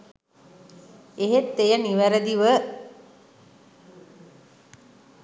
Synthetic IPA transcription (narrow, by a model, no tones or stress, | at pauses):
eɦet̪ːejəniʋæɾəd̪iʋə